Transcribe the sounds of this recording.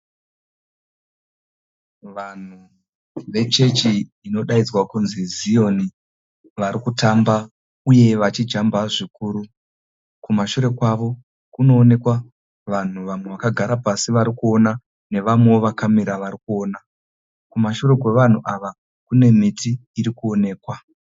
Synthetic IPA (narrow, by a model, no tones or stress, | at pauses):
ʋan̤u | ʋe̞t͡ʃe̞t͡ʃiː | no̞ɗaid͡zwakunzizijo̞ni | ʋaɾikutamba | uje̞ʋat͡ʃid͡ʒambaʐikuːɾu | kumaʃuɾe̞kwaʋo̞ | kuno̞ːne̞kwa | ʋan̤uʋamwe̞ʋakaɡʱaɾapasiʋaɾikuo̞na | ne̞ʋamwe̞oʋakamiɾaʋaɾikuo̞ːna | kumaʃure̞kwe̞ʋan̤uʔaʋa | kune̞mitiːɾikuo̞ne̞ːkwa